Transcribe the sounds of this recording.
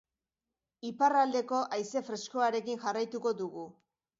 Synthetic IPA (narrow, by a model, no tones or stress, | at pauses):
iparald̪e̞ko̞ʔajse̞fɾe̞sko̞aɾe̞kiŋʝarajt̪uko̞ðuɣu